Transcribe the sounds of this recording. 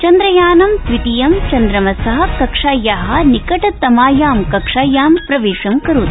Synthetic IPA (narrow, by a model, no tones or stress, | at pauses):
t͡ʃɐnd̪ɾɐjaːnɐmsʋit̪ijɐmt͡ʃɐnd̪ɾɐmɐsɐɦɐ̆kɐkʂaːjaːɦɐ̆nikɐʈɐt̪ɐmaːjaːmkɐkʂaːjaːmpɾɐʋeːʂɐmkɐɾut̪